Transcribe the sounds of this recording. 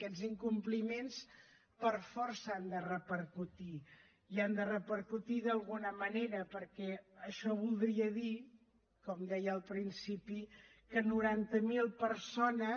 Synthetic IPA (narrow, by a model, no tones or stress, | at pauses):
kɛziŋkumplimens | pəɾfɔɾsəand̪ərəpəɾkut̪i | iand̪ərəpəɾkut̪iðəlˠɣunəməneɾəpəɾkɛəʃɔβulˠd̪ɾiəði | kɔmd̪ɛjəːlˠpɾinsipikənuɾant̪əmilˠpəɾsonə